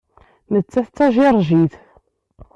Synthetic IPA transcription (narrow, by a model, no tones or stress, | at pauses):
nət͡sːæθt͡sːæʒirˤʒiθ